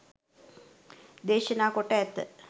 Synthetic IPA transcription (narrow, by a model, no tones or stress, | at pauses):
d̪eːʃənaːkoʈəɛt̪ːə̰